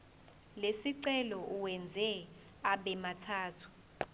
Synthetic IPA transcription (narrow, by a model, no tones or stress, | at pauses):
lesiǀɛlɔʔuwɛnd͡zʱɛ | aɓɛmatʰaːtʰu̥